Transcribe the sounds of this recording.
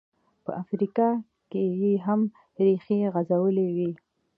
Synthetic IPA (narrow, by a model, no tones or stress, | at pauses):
pə̰ʔafɾikɑ | kejeɦam | ɾixiɣazawəlewi